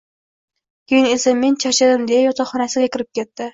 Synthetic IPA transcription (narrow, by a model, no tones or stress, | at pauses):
kʲʰejɪnesamːent͡ʃʰaʃad̪ɪmd̪ejajɒt̪ʰɑχɒnasɪɡʲakʲʰɪɾɪp̚kʲʰet̪ːɪ